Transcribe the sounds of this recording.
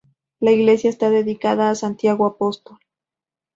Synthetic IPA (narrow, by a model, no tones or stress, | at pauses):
laiɣle̞sjaest̪aðe̞ðikaðaːsant̪jaɣoapost̪ol